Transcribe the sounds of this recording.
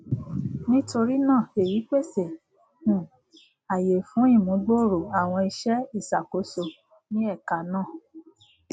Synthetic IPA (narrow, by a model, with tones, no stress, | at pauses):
nĩ˦to˧ɾi˦nãː˦˨e˨ɾi˨˦k͡pe˦˨se˨ | hũ˨ | a˨je˨fũ˨˦i˦˨mũ˨˦ɡ͡bo˦˨ɾo˨a˨w̃ɔ̃˧i˧ʃɛ˦i˦˨sa˨ko˨˦so˧ | nĩ˦ɛ˦˨ka˨nãː˦˨